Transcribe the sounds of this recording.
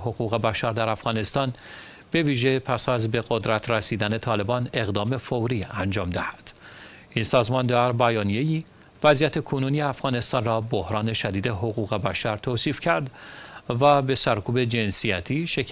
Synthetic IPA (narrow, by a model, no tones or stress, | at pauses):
ɦo̞ɣuːɣe̞bæʃæɾd̪æɾæfɣ̥ɒːne̞st̪ɒːn | b̥e̞viːʒe̞pʰæsæzbe̞ɣod̪ɾæt̪ʰɾesiːd̪æne̞t̪ʰɒːle̞bɒːne̞ɣd̪ɒːme̞fowɾiːænd͡ʒɒːmd̪æhæ̥d̪̥ | insɒːzmɒnd̪æɾbæjɒːnije̞jiː | væzijæt̪ʰe̞kʰonuːnijeæfɣ̥ɒːne̞st̪ɒːnrɒːbohɾɒːne̞ʃæd̪iːd̪e̞ɦo̞ɣuːɣe̞bæʃæɾt̪ʰoːsiːfcʰæɾd̪væbe̞sæɾkʰuːbe̞d͡ʒe̞nsijæt̪ʰiːʃe